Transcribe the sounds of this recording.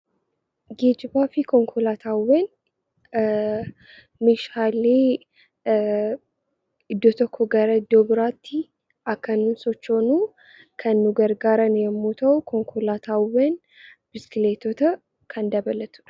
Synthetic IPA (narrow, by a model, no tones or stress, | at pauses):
ɡeːd͡ʒɪbaːfɪkɔŋkʰɔlaːt̪ʰaːweːn | meʃaːleː | ɪd̪ːɔt̪ɔkʰːɔɡɐɾɐɪd̪ːoːbɪɾaːt̪ːɪ | ʔɐkːɐnːuːnsɔt͡ʃːoːnuː | kʰɐnːʊɡɐɾɡaːɾɐnjɛmːuːt̪ʰɐʊkʰɔŋkʰɔlaːt̪ʰaːwen | bɪskɪleːt̪ot̪ɐ | kʰɐnd̪ɐbɐlɐt̪ʊ̥ᶑɐ̥